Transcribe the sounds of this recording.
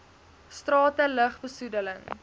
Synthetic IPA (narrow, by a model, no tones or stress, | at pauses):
strɑːtələχbəsudələŋ